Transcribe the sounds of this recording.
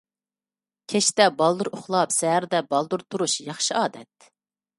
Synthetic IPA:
kʲʰɛʃt̪ɛbɑlˠd̪uɾoχlˠɑpsɛɦæɾd̪ɛbɑlˠd̪uɾt̪ʰuɾuʃjɑχʃɨɑːd̪ɛ̰t̪̚

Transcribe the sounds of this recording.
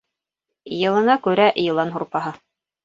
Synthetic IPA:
jɤ̆lˠɤ̆nɑkʉɾæʔjɤ̆lˠɑnɦuɾpɑɦɤ

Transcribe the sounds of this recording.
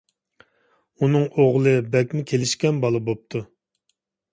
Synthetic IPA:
unɨŋoʁlˠɨbɛkʲmɪkʲʰelɪʃkʲɛnbɑlˠɨbop̚t̪ʰu

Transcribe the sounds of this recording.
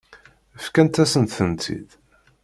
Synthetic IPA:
æfkænt̪æsənt̪θənt̪ʰḭd̪

